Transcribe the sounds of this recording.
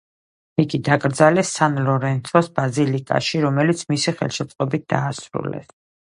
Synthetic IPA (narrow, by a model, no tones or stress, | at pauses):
iɡid̪akʼɾd̪zalɛsːanlɔɾɛnt̪ʰɔsbazilikʼa̰ʃiɾɔmɛlit̪sʰmisiχɛ̰lˠʃɛt̪sʼqʼɔbit̪̚d̪aːsɾṵlɛ̰s